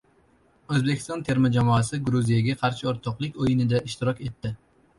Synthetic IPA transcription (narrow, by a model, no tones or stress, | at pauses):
ɵzbe̞kʲɪ̥st̪ɒnt̪ʰe̞ɾmɪd͡ʒamɒasɪɡɾuzijaɡʲaqʰɑɾʃɪoɾt̪ʰɒqlˠɪkʲojɪnɪd̪aʔɪʃt̪ɪɾɒkʲe̞t̪ːɪ